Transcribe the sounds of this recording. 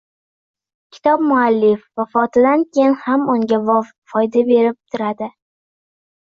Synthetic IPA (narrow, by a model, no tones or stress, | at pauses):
kʲʰɪ̥t̪ʰɒbmʊalːɪfvafɒt̪ʰɪd̪ankʲʰejɪnhamʊŋɡʲavɒv | fɒjd̪abe̞ɾɪp̚t̪ʰʊɾad̪ɪ